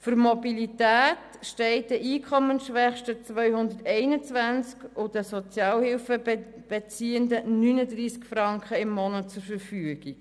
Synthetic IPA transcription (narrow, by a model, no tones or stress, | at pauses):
fʏɾmɔbilitæːt | ʃtɛɪt̚dəʔiːkʰɔmənʃʋɛχʃtət͡svœʏhʊndəɾtɛɪnət͡svænt͡skʊd̥əsɔt͡sjɑːlhɪlfə | b̥ɛt͡siːəndənynəd̪riːskfrɑŋkχəɪmːɔnət̚t͡sʊɾfəɾfyəɡ̥i